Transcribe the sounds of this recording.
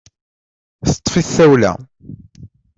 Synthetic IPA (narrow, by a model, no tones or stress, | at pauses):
θt̪ˤːfiθθæwlæ̰